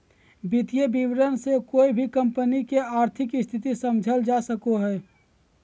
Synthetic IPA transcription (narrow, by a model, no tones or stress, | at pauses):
bit̪ijebiʋɾənsekoːibʱikə̃mpənikeaːɾt̪ʰɪkɪst̪ʰɪt̪isəmd͡ʒʱəld͡ʒasəkoɦɛː